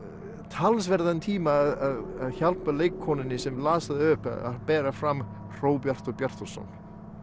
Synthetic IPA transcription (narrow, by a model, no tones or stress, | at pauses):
t̪ʰalsvɛɾðanɪt̪ʰiːmaːðaðaðçalpmaleːjkʰːɔːnɪnːɪsɛmlaːsaðɪʏːpa̰a̰pɛːɾafɾamː | r̥oːwpjar̥t̪ɔɣpjar̥t̪ɔsɔ̰n